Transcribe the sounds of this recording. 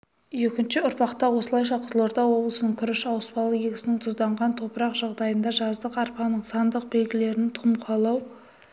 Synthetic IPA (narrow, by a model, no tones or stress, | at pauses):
jekʲɪnʃɪʊɾpɑqt̪ɑwo̞səlˠɑjʃɑqʰəzəlˠoɾd̪ɑwo̞blˠəsənəɴkʲʰʏɾɪʃɑwspɑlˠɡʲeɡʲsɪnɪŋt̪ʰʊzd̪ɑɴʁɑnt̪ʰo̞pəɾɑqʒ̥ɑʁd̪ɑjənd̪ɑʒɑzd̪əqɑɾpɑnəɴsɑnd̪əq̚be̞lɡʲɪle̞ɾɪnt̪ʰʊmqʰɑlˠɑw